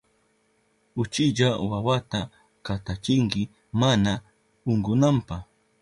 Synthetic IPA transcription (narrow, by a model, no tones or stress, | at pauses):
ʊt͡ʃɪʎawawat̪a | kat̪at͡ʃɪŋkɪ | mana | ʊŋɡʊnampah